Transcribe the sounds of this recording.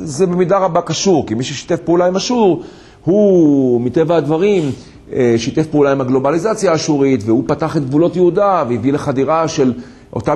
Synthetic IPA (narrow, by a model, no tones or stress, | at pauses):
zebemid̪aʁabakaʃuʁkimiʃuʃi̥t̪efpeulaimaʃuʁ | humit̪e̞vahad̪vaʁim | eʃit̪efpeulaimaɡlo̞balizat͡sjaːʃuʁitvehupataχe̞t̪̚ɡvulo̞tjehud̪aveivileχadiʁaʃe̞l | ʔo̰t̪a